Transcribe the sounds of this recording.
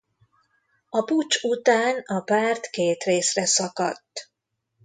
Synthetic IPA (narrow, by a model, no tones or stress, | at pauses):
ɒput͡ʃut̪aːnɒpaːrt̪keːt̪reːsrɛsɒkɒt̪ː